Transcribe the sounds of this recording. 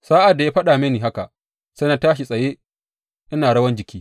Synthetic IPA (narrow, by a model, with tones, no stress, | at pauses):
saː˦ʔa˨dːa˨jaː˦ɸɐ˦ɗaː˨meː˦niː˨ɦa˦ka˨ʔ | sɐ˦na˦˨taː˦ʃi˨sʼɐ˨jeː˦ | ʔɪ˦naː˨ɽɐ˦wɐ˦nd͡ʒɪ˨kʲʰiː˦